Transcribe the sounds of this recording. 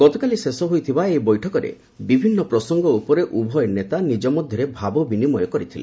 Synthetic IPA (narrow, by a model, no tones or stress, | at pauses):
ɡ̥ɔt̪ɔkalisesɔɦojt̪ʰibaebɔjʈʰɔkɔɾḛ | bibʱinːɔpɾɔsɔŋɡɔupɔɾeʔubʱɔjnet̪anid͡ʒɔmɔd̪ʱjɔɾebʱabɔbinimɔjɔkɔɾit̪ʰile